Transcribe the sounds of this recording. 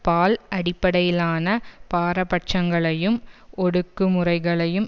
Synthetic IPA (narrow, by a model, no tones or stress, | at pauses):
paːlʔɐɽɪpːɐɽɐjɪlaːnɐpaːɾɐpɐʈ̚t͡ʃɐŋɡɐɭɐjɯmɔɽɯkːɯmɯrɐɪɣɐɭɐjɯm